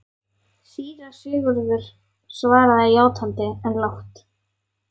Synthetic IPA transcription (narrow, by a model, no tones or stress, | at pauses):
siːɾasʏːɣʏɾðʏɾ̥ | svaːɾaðaiaːwt̪hant̪ɪɛnlawht̪